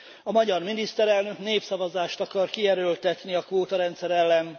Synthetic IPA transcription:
ɒmɒɟɒrminist̪ɛɾɛlnø̞kneːpsɒvɒzaːʃt̪ɒkɒrkiɛɾølt̪ɛt̪niɒkʋoːt̪ɒɾɛnt̪sɛɾɛlːɛn

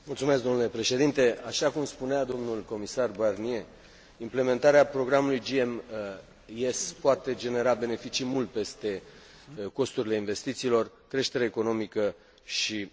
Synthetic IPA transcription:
mult̪sumesk̚d̪onule̞pɾe̞ʃe̞d̪int̪e̞aʃakumspunead̪o̞mnulko̞misarbarnie̞ | imple̞me̞nt̪aɾeapɾo̞ɡɾamulujd͡ʒiem | espoat̪e̞d͡ʒe̞ne̞ɾabe̞ne̞fit͡ʃimult̪̚pe̞st̪e̞ | ko̞st̪uɾile̞inve̞st̪it̪siːlo̞r | kɾe̞ʃt̪e̞ɾeːko̞no̞mikə | ʃi

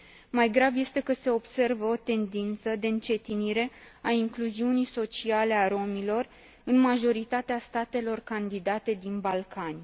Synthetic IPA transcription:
majɡɾavje̞st̪e̞kəse̞o̞bse̞rvəo̞t̪e̞nd̪int̪səd̪e̞ɨnt͡ʃe̞t̪iniɾe̞aiŋkluziunijso̞t͡ʃiale̞aɾo̞milo̞r | ɨnmaʒo̞ɾit̪at̪east̪at̪e̞lo̞rkand̪id̪at̪e̞d̪inbalkanʲ

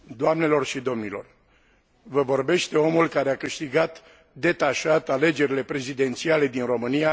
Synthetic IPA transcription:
d̪oamne̞lo̞rʃid̪o̞mnilo̞̰r | vəvo̞rbe̞ʃt̪e̞o̞mulkaɾe̞akɨʃt̪iɡat̪ | d̪e̞t̪aʃat̪ale̞d͡ʒe̞ɾile̞pɾe̞zid̪e̞nt̪siale̞d̪inro̞mɨnija

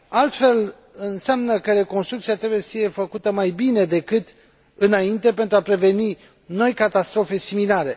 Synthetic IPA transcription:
alt̪fe̞l | ɨnseamnəkəɾe̞ko̞nst̪ɾukt̪siat̪ɾe̞bujesəfije̞fəkut̪əmajbine̞d̪e̞kɨt̪ | ɨnaint̪e̞pe̞nt̪ɾuapɾe̞ve̞ni | no̞jkat̪ast̪ɾo̞fe̞similaɾe̞

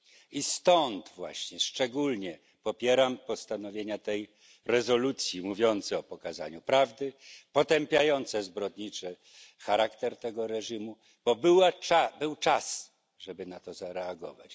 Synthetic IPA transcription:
ist̪ɔnt̪vwa̰ɕɲɛʂt͡ʂɛɡulɲɛ | pɔpʲjɛɾampɔst̪anɔvʲjeɲat̪ɛj | ɾɛzɔlut̪sʲjimuvʲjɔnt̪sɛɔpɔkaza̰ɲupɾavd̪ɘpɔt̪ɛmpʲjajɔnt̪sɛzbɾɔd̪ɲit͡ʂɛ | xaɾakt̪ɛɾt̪ɛɡɔɾɛʐimu | b̥ɔbɘwaabɘwt͡ʂas | ʐɛbɘnat̪ɔzaɾɛaɡɔ̰va̰t͡ɕ

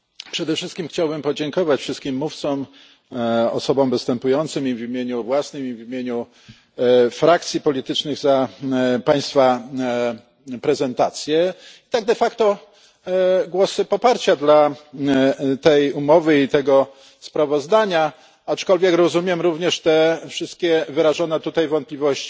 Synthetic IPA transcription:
pʂɛd̪ɛfʂɘst̪̚kʲimxt͡ɕawbɘmpɔd͡ʑɛŋkɔvat͡ɕfʂɘst̪̚kʲimːuft̪sɔm | ɔ̰sɔbɔ̃mvɘst̪ɛmpujɔnt̪sɘmivʲimʲjeɲuvwasnɘmivimʲjeɲu | fɾak̚t̪sʲjipɔlʲit̪ɘt͡ʂnɘɣzapaj̃st̪fa | pɾɛzɛnt̪at̪sʲjɛit̪aɡ̚d̪ɛfakt̪ɔ | ɡwɔsɘpɔpaɾt͡ɕad̪la | t̪ɛjumɔvɘit̪ɛɡɔ | spɾavɔzd̪aɲa | at͡ʂkɔlvʲjɛkɾɔzumʲjɛmɾuvɲɛʂt̪ɛfʂɘst̪̚kʲɛvɘɾaʐɔnɛt̪ut̪ajvɔnt̪̚plʲivɔɕt͡ɕi̥

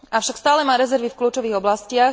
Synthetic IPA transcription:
afʃakst̪aːlɛmaːɾɛzɛɾʋifkluːt͡ʃɔʋiːɣɔblascɪa

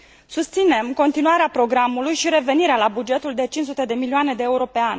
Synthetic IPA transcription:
sust̪sine̞mko̞nt̪inuaɾeapɾo̞ɡɾamːulujʃiɾe̞ve̞niɾealabud͡ʒe̞t̪uld̪e̞t͡ʃint͡ʃsut̪e̞d̪e̞milioane̞d̪e̞euɾo̞pe̞anʲ

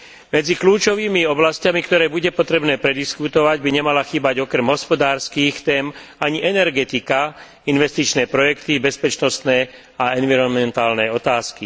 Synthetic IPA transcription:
mɛd͡zikluːt͡ʃɔʋiːmiɔblascamikt̪ɔɾɛːbuɟɛpɔt̪ɾɛbnɛːpɾɛd̪iskut̪ɔʋaɟbiɲɛmalaxiːbaɟɔkɾɛmɦɔspɔd̪aːɾskiːxt̪ɛːmaɲiʔɛnɛɾɡɛt̪ika | inʋɛst̪it͡ʃnɛːpɾɔjɛkt̪ibɛspɛt͡ʃnɔst̪nɛː | aɛnʋiɾɔnmɛnt̪aːlnɛɔt̪aːski

